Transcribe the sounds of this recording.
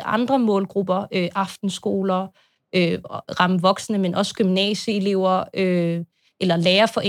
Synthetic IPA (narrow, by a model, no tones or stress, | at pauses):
ʔɑ̈nd̥ʁɐmɔ̰̽ːlɡ̥ʁub̥ɐʔøʔɑ̈fd̥n̩sɡ̥o̝̰ːlɐ | øʁɑ̈məʋɒ̽ɡ̥sənəmenʔɒ̽sɡ̥ymnɛ̰ɕəe̝le̝ʊ̰ɐø | ʔelɐleːɐfɒ̽ʔe